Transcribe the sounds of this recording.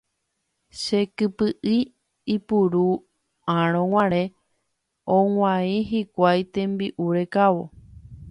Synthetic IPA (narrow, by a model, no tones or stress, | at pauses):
ʃekɨpɨʔi | ipuɾu | ãɾ̃õwʷãɾẽ | õŋʷãĩɦikʷajt̪ẽ̞mbiʔuɾekawo̰